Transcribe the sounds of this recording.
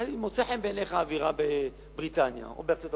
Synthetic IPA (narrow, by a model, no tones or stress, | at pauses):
alimot͡seħembeneχaːviʁabe | bʁit̪anja̰o̰beʁt͡sot